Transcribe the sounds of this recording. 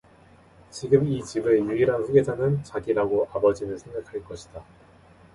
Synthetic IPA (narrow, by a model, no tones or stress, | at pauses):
t͡ɕiɡɯmit͡ɕibejuiɾanɸuɡe̞d͡ʑanɯnt͡ɕaɡiɾaɡoʔabʌd͡ʑinɯɭsʰe̞ŋɡakʰaɭk͈ʌɕʰi̥d̥a